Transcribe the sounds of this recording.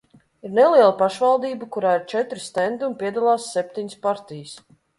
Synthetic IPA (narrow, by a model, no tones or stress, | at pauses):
iɾnɛliɛlˠapaʃvalˠd̪iːbəkuɾaːiɾt͡ʃɛt̪ɾist̪ɛnd̪umpʲiɛd̪alˠaːsːɛp̚ʲt̪iɲspaɾt̪ijəs